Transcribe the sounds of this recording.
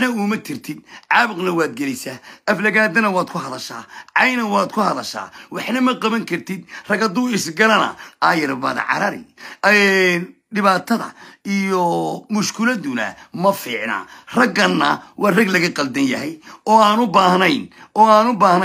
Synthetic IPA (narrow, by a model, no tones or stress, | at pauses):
nɐuːmɐt̪ʰɪrt̪ʰɪd̪̚ʕɑːβɪqnɐwaːd̪̚ɡɛlɛjsaːʔɐflɐɣaːd̪ɐnɐwaːd̪kʰʊɦɐðɐʃa̰ːʕɑjnɐwaːd̪kʰʊhɐðɐʃa̰ːwɑħnɐmɐqɐβɐŋkʰɐrt̪ʰɪd̪rɐɡɐd̪uːɪsɡɐlɐnɐ̰ʔaːjɐɾbɐ̰ðɐ̰ʕɑ̰ɾɐɾɪ̰ | ɖɪβaːt̪ʰɐðɐ̰ijɔmʊʃkʰɪlɐd̪ʊnɐ̰mɐfiːʕna̰ːrɐɡɐnːɐ̰wɑrɐɡlɐɣɐqɐld̪ɐnjɐɦɛjɔːaːnʊbaːhnɐjnʔɔːaːnʊbaːhnɐ